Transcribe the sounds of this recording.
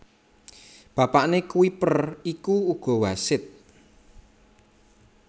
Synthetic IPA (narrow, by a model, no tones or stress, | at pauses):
b̥ä̤paʔnekuipərikuːɡ̥ɔ̤wasɪt̪̚